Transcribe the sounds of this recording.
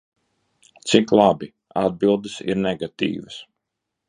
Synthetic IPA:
t̪siklˠabi | ad̪̚bilˠd̪ɨsḭɾnɛɡat̪ḭːvəs

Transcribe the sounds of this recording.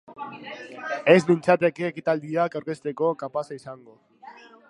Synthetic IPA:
e̞zmint͡sat̪e̞keːkit̪ald̪iakawɾke̞st̪e̞ko̞kampasaisaŋɡo̞

